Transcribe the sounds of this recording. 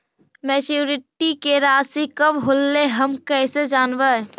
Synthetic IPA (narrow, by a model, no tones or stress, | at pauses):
mɛt͡ʃjuɾɪʈikeɾaːsikəbɦolːeɦəmkɛsed͡ʒaːnbə